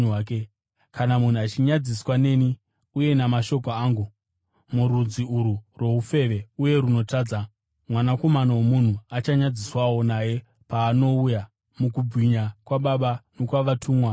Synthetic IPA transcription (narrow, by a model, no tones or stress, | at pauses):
aːke | kanamun̤uat͡ʃiɲad͡ziswane̞ni | uje̞namaʃo̞koaːŋɡu | muɾud͡ziuɾurwo̞ufe̞ʋe̞uje̞ɾuno̞taːd͡za | mwanako̞manawomun̤uat͡ʃaɲad͡ziswawo̞naje̞ | paːno̞uja | mukubʱwiɲakwaɓaɓanokwaʋatʰuːmwa